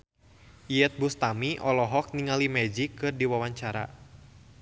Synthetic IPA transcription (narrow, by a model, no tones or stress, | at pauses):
iɛt̪̚bust̪amiʔɔlɔɦɔk̚niŋalimɛd͡ʒikɨrdiwawaɲt͡ʃaɾa̰